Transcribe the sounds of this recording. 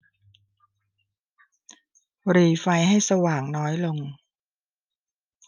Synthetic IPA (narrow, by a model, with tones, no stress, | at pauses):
ɾiː˨˩fa˧jɦa˥˩jsa˧waː˨˩ŋnɔː˦˥jlo˧ŋ